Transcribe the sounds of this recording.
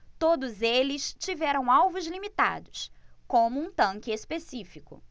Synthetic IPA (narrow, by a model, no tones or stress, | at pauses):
t̪od̪ʊzelɪst͡ʃivɛɾɐ̃w̃awvʊzlimit̪a̰d̪ʊskõmʊũt̪ɐ̃ŋkɪespesifikʊ̰